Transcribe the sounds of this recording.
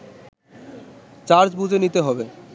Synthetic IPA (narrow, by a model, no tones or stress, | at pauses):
t͡ɕaɾd͡ʑbud͡ʑʱenit̪eɦɔbe